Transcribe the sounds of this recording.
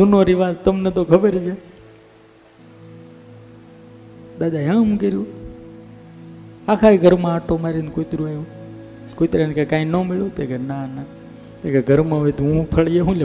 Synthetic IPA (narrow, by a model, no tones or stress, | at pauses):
d̪unoɾiʋazt̪əmnet̪okʰəbəɾt͡ʃʰe | d̪ad̪aɦãmũkəɾju | akʰaiɡʱəɾmãaʈomaɾinkut̪ɾueu | kot̪ɾenkekãːĩnomeɭot̪ekenana | t̪ekeɡʱəɾmãɦoit̪oɦũpʰəɭjeɦũle